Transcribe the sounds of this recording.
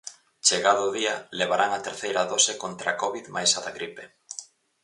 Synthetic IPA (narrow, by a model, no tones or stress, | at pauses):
t͡ʃeɣaðʊðiɐleβaɾaŋat̪eɾθejɾɐðɔsekont̪ɾakɔβiðmajsaðaɣɾipe